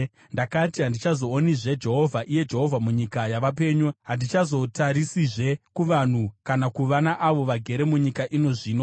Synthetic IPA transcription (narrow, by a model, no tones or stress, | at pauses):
ndakatiɦandit͡ʃazo̞ːniʐe̞d͡ʒe̞ɦo̞vʱaʔije̞d͡ʒe̞ɦo̞vʱamuɲikajaʋape̞ːɲuɦandit͡ʃazo̞taɾisiʐe̞kuʋan̤ukanakuʋanaʔaʋo̞ʋaɡʱe̞ɾe̞muɲikaʔino̞ʐiːno̞